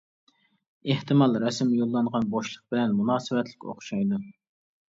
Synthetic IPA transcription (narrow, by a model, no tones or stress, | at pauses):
eht̪ɨmɑlˠɾɛsmjolˠːɑɴʁɑnboʃlˠəq̚b̥ɪlɛnmunɑːsɨvɛt̪lɪkʲo̰χʃɑjd̪u